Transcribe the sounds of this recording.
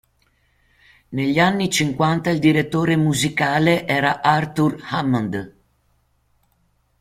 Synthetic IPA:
neʎːanːit͡ʃiŋkwant̪aild̪iɾet̪ːoːɾemuzikaːleʔɛːɾaʔart̪urhamand̪

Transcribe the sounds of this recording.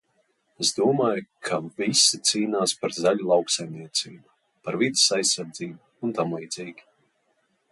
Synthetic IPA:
ezd̪uɔmaːjkʰavisit̪siːnaːspaɾzaʎulˠawksajmnʲiɛt̪siːbu | paɾvid̪ɪsajsːaɾd̪ziːbu | unt̪amlˠiːd̪z̥iːɡʲi̥

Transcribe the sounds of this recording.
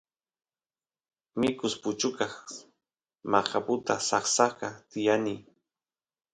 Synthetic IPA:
mɪkʊspʊt͡ʃʊkɑχ | mɑχapʊt̪asɑχsɑqɑt̪ɪjani

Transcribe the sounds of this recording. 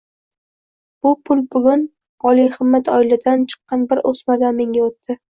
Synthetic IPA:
b̥ʊpʰʊlbʊɡʲʊn | ɒlˠijhɨmːat̪ʰɒɪlɪd̪ant͡ʃʰɨ̥qːɑnbɪɾʔosmaɡ̪anme̞ŋɡʲaot̪ːɪ

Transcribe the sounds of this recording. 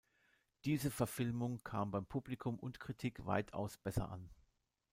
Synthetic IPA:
d̥iːzəfɛɐfɪlmʊŋkʰaːmbaɪmpʰublikʰʊmʔʊ̰ntkʁ̥itʰikv̥a̰ɪtʰa̰ʊsb̥ɛsɐ̰ʔa̰n

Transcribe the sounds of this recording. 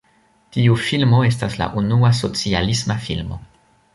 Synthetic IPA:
tiufilmo̞e̞stasla̰ʔunuaso̞t͡sialismafilmo̞̰

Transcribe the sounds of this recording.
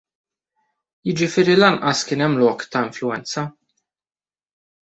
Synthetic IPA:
jɪd͡ʒɪfɪːɾilɐnʔɐskɪːnɛmːlɔːkt̪ɐɪɱflʊɛnt͡sɐ

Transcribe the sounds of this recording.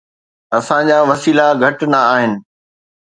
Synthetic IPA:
ɐsãd͡ʑaːʋɐsiːlaɡʱɐʈnɐːɦɪnɪ̆

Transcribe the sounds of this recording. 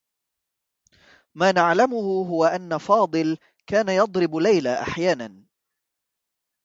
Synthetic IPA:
maːnaʕlamʊhʊɦʊwaʔanːafɑːd̪ˤɨl | kaːnajɑd̪ˤɾɪblajlaːʔa̰ħjaːnan

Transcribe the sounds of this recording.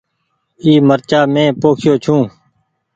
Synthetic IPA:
iːməɾt͡ʃaːmẽːpoːkʰɪjoːt͡ʃʰũː

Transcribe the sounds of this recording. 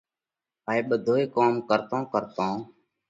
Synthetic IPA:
aːiːɓəd̪ʱoːeːkoːmkəɾt̪õːkəɾt̪õː

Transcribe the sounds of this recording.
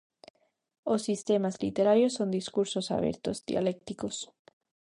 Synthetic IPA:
osːist̪e̞mazlḭt̪e̞ɾaɾjosːo̞nd̪iskuɾso̞sa̰βḛɾt̪o̞̰zd̪ja̰le̞kt̪ikos

